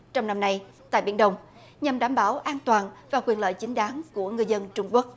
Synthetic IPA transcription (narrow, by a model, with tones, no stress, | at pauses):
t͡ɕɔ˧wŋ͡mna˧mna˧j | t̪a̰ː˧˨jɓḭ˧˩ənɗə˧wŋ͡m | ɲa˨˩mɗaː˧˩mɓaː˧˩wʔaː˧nt̪waː˨˩nvaː˨˩kwi˨˩ənlə̰ː˧˨jt͡ɕï˨˦ŋ̟ɗaː˨˦nku˧˩əŋɨ˨˧əzə˧nt͡ɕʊ˧ŋ͡mku˦˥ək̚